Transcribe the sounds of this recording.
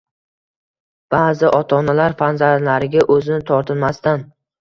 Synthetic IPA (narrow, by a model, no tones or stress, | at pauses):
b̥aːzɪʔɒt̪ʰɒnalaɾfanzaɾlaɾɪɡʲaʔɵzɪnɪt̪ʰɒɾt̪ʰɪnmast̪an